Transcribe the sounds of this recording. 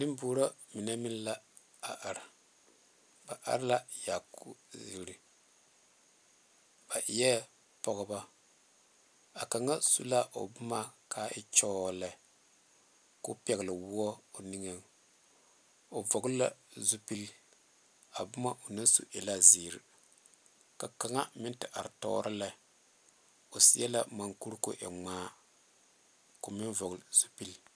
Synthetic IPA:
nɨ˦m˦buː˦ɾa˦mi˨na˦mi˦n˦la˦ | a˨ʔa˨ɾa˨ | ba˨ʔa̰˦ɾla˦ja˨ku˦zi˨ɾi˨ | b̥a˨i˨˦jɛ˦ | pɔ˦ɡba˦ | a˨ka˨ŋa˦sṵ˦la˦ʔo̰˨bʊ˦ma˦kʰa˨˦ʔɪ̰˦t͡ʃɔ˦˨lɛ˨ | ko˦pɛ˨ɣlɨ˨wu˦ɔ˦o˨ni˦ŋa˦ŋ | o˨vɔ˨ɡla̰˦zu˦pi˦l | a˨bʊ˦ma˦ʔo˨nɨ˦n˦sṵ˨ʔe˨la˦ziː˨ɾi˨ | ka˨ka˨ŋa˦mɪ˦n˦tɨ˨ʔa̰˨ɾtɔ̰˦ɾʔɨ˦la˦ | o˨si˨˦ɛ˦la˦ma˨ŋku˦ɾko̰˦ʔɛ̰˨ŋ͡maː˦ | ko˨mɪ˦nvɔ˨ɣlzu˦pi˦l

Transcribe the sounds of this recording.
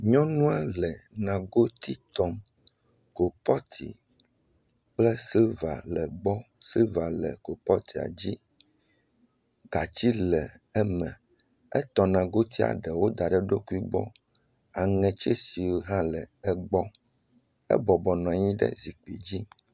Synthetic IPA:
ɲɔ̃˦nũ˦a˦lɛ˨nã˨ɡo˦t̪i˦t̪ɔ˦m | ko˨pɔ˦t̪ʰḭ˨ | k͡plɛ˦si˦va̰˨lɛ˨ɡ͡bɔ˦si˦va˨lɛ˨ko˨pɔ˦t̪ʰi˨a̰˨d͡ʑi˦ | ɡ̥a˨t͡ɕi˦lɛ˨ɛ˦mɛ̃˨ | ɛ̰˦t̪ɔ˨nã˨ɡo˦t̪ʰi˦a̰˨ɖɛ˨wo˦d̪a˨ɖɛ˨ɖo˦ku˦i˦ɡ͡bɔ̰˦ | a˨ŋɛ̃˨t͡ʃɛ˦si˨wo˨ɦã˦lɛ˨ɛ˦ɡ͡bɔ˦ | ɛ̰˦bɔ˨bɔ˨nɔ̃˨a˨ɲĩ˦ɖɛ̰˦zi˨k͡pḭ˨d͡ʑi˦

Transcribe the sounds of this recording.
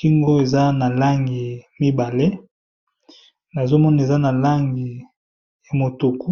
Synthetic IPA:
ki˦ŋɡo˦e˨za˦na˨la˦ŋɡi˨mi˦ba˨le˦ | na˨zo˦mɔ˦na˨e˨za˦na˨la˦ŋɡi˨ | ja˨mo˨tu˨ku˦

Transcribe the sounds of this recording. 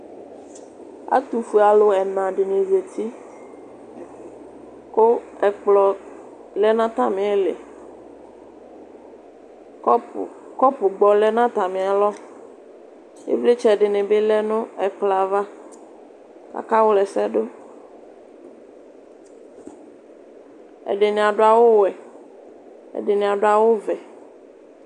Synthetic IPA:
a̰˦t̪u˨fu˨a˨lo˦ɛ˨nã˨ɖɪ˨nẽ˨ze˨t̪ʰi˦ | ko˦˨lɔ˨ | lɛ˦nã˦t̪a˦˨mẽ˨ɛ˦lḛ˨˦ | kɔ˦pʊ˨ɡ͡bɔ˨lɛ˦nã˦t̪a˨mɪ̃˨a˨lɔ˦ | jḛ˦ble˦t͡ʃɛ˦ɖe˨nẽ˨be˦lɛ˦nũ˦ɛ˨k͡pla˨va˦ | ka̰˨ka˦wo˦lɛ˨sɛ˦ɖo˦ | ɛ̰˨ɖe˨nẽ˨a˨ɖo˦a˨wo˦wɛ˨ | ḛ˨ɖe˨nẽ˨a˨ɖo˦a˨wo˦vɛ˨

